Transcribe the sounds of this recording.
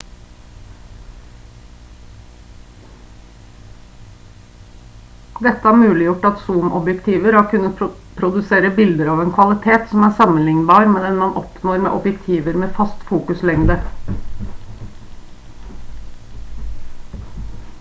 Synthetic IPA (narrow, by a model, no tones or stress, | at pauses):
d̪ɛt̪əæːɾmʉːlɪjʊʈɑt̪suːmʔɔbjɛkt̪ʰiːʋəɾhɑːkʰʉnə | pʰɾʊd̪ʉseːɾəbɪld̪əɾɑːʋeːnkʰʋɑlɪt̪ʰeːt̪sɔm̩æːsɑmənlɪŋnbɑːɾmeːd̪ɛnmɑnʔɔpnoːɾmḛːʔɔbjɛkt̪ʰiːʋəɾmeːfɑst̪fuːkʉslɛŋd̪ə